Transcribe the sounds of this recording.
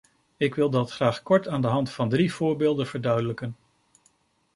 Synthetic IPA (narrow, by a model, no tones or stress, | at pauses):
ɪkʋɪlˠdɑtχraːχkɔɹtaːndəɦɑntfɑndriv̥ʊːɹbeːlˠdənv̥əɹdœɥdələkən